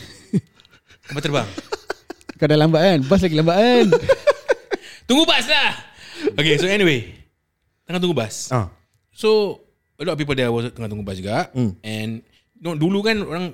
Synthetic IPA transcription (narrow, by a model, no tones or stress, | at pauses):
sampat̪ərbaŋ | kadalambaʔanbas̬laɡilambaʔan | t̪uŋɡubaslahokesoɛniwe | t̪əŋat̪uŋɡubasa | so | əlɔtɔfpip̬əldɛwɔst̪əŋat̪uŋɡubasd͡ʒuɡaʔɛ̃n | nɔ̃dulukanoɾaŋ